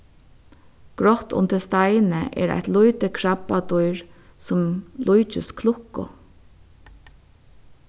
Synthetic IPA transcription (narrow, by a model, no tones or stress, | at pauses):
ɡ̥ɹɔt̪ʊ̰nt̪ɪlst̪ajnəʔɛ̰ɾa̰jt̪lujt̪əkʰɹapːat̪ʊjɹsʊmlʔujt͡ʃɪskʰlʊhkːʊ̰